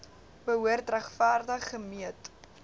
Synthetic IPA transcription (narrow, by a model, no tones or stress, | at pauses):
bəɦuərtræχfæːrdəχːəmiət